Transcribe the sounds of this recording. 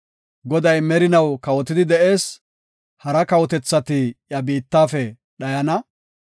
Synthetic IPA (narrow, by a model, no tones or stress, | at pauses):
ɡɔd̪ɐjmɛɾɪnɐwkɐwɔt̪ɪd̪ɪd̪ɛʔe̞ːs | hɐɾɐkɐwɔt̪ɛt͡sːɐt̪ɪjɐbiːt̪ːaːfɛ | ɗɐjɐnɐ